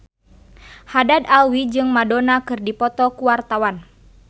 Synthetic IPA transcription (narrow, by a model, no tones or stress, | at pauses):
hadad̪alwid͡ʒɨŋmadɔnakɨrdipɔt̪ɔkuwart̪awan